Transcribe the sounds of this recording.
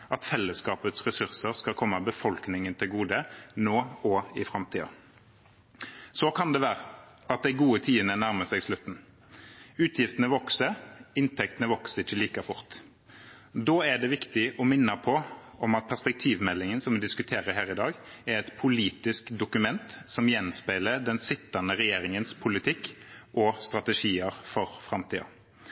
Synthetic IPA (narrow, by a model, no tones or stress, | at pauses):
ʔɑt̪fɛlːəskɑːpət̪sʁɛsʉʁsəʁskɑlkʰɔmːəbəfɔlknɪŋənt̪ʰɪlɡuːd̪ənoːɔɪfʁɑmt̪ʰiːɑ̰ | sɔkʰɑnd̪ɛʋæːɾəɑt̪̚d̪æɪɡuːət̪ʰiːdənənæʁməsæɡslʉt̪ːn̩ | ʉːt̪ʰjɪft̪ənəʋɔksəɪnt̪ʰɛkt̪ənəʋɔksəɪçːəliːkɑfʊʁt̪ | d̪oːæɖ̪ɛʋɪkt̪ɪʔɔmɪnːɑpʰɔʔɔmɑt̪̚pʰæʁspɛk̚t̪ʰiːʋmɛlːɪŋənsɔmʋɪd̪ɪskʉt̪ʰeːɾəɦæːʁɪd̪ɑːɡæɾɛt̪pʰʊliːt̪ɪskd̪ʊkʉmɛnt̪sɔmjɛnspæɪləd̪ɛnsɪt̪ːɑnəɾɛjeːɾɪŋənspʰʊlɪt̪ʰɪkːʔɔst̪ʁɑt̪ɛʂiːəɾfɔɾfʁɑmt̪ḭːɑ̰